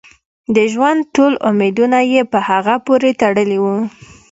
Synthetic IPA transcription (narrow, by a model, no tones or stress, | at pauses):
d̪əʒwand̪̚ʈolʊmed̪unajepəhaɣapoɾet̪aɽəliwu